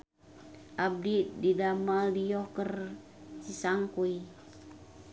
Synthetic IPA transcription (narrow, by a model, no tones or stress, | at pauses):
ʔab̚dididamaldijɔkər | t͡ʃisaŋkui